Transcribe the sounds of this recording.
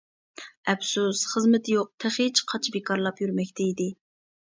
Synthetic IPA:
ɛbsusχəzmɪt̪ʰɪjoq̚t̪ʰɛχet͡ʃqʰɑt͡ʃʰbekʰɑɾlˠɑpjyɾmɛkʲt̪ʰɛid̪ɪ

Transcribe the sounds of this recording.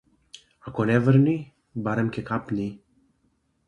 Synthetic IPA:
akonɛvəɾni | baɾɛmkɛkapni

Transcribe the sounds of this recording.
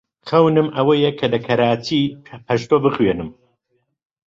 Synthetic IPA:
xɐwnɨmʔɐwɐjekʰɐlɐkʰɐɾaːt̪ʰipʰɐʃt̪oːbɨχɥenɨm

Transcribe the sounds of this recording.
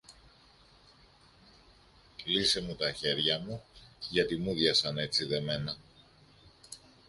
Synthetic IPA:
lise̞mut̪ɐçe̞ɾʝɐmuʝɐt̪imuðʝɐsɐne̞t͡siðe̞me̞nɐ

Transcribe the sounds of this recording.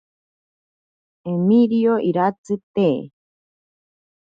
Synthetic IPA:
emiɾioʔiɾat͡sɨt̪eː

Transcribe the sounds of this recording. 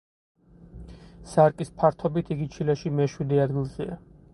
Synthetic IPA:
saɾkʼispʰaɾt̪ʰɔbit̪ʰiɡit͡ʃʰilɛʃimɛʃwid̪ɛad̪ɡilˠz̥ɛa

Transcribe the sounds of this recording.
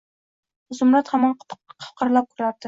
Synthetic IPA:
zʊmɾat̪hamɑnqʰqʰɑ̥fqʰɑɾlˠap̚kʰʊɾaɾd̪ɪ

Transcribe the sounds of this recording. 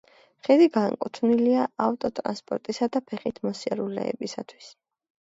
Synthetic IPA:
χɛd̪iɡaŋkʼut̪ʰvniliaaft̪ʼɔt̪ʼɾa̰nspʼɔɾt̪ʼisad̪apʰɛχit̪ʰmɔsiɛɾulɛ̰ɛ̰bisat̪ʰwis

